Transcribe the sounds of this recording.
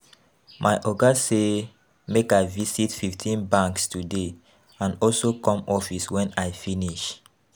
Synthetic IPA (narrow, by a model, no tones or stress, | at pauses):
maɪʔɔɡase | mekaɪvisitfiftʰĩnbãŋkstude | ãnɔlsokɔ̃mɔfiswɛ̃naɪjfiniʃ